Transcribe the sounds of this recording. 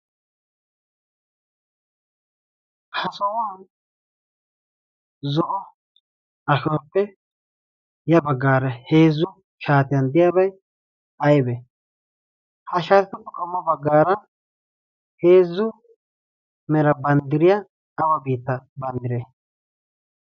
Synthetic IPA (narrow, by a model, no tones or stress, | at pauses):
hʰɐsɔwaːn | zɔʔɔ | ɐʃɔpːɛ | jɐbɐɡaːɾɐheːzʊ | ʃaːt̪ɪjand̪ɪjabɐj | ɐjbɛ | hɐʃaːt̪ɪt̪ɪkʊkɔmːɔbɐɡaːɾɐ | heːzʊ | mɛɾɐbɐnd̪ɪɾɪjaː | bɐbiːt̪ːɐbɐnd̪ɪɾɛ